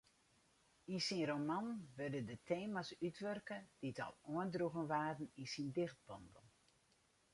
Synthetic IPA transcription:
insinromanʋørdədətʰeːmasytʰʋørkəd̥itɔ̰lˠoəndruɣənʋaːdn̩insindɪχt̚bɔnbəlˠ

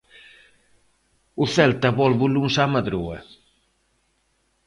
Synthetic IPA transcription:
ʊθɛlt̪ɐβɔlβulunsamɐðɾuɐ̰

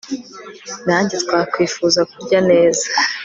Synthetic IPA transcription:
naːɲɟitkwakwiːfuzakuɾɟane̞ːzḁ

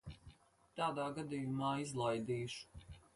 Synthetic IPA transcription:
t̪aːd̪aːɡad̪ijumaːizlˠajd̪iːʃu̥

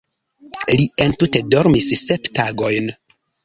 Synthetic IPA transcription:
lie̞ntute̞do̞ɾmisseptaɡo̞jn

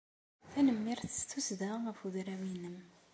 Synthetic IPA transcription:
θænəmːiɾθə̥st̪usðæʁəfuðɾæwinːəm

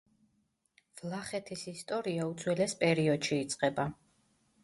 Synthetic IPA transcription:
v̥lˠaχɛt̪ʰisist̪ʼɔɾiaut̪sʰwɛlɛspʼɛɾiɔd̪ʃiːt̪sʼqʼɛba

